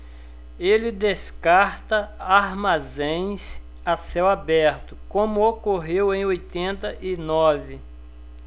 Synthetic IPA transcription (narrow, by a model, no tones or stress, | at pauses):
elɪd̪eskaɾt̪ɐaɾmazẽj̃s | asɛwabɛɾt̪ʊkõmʊokoɦewẽj̃ojt̪ẽnt̪ɐʔɪnɔvɪ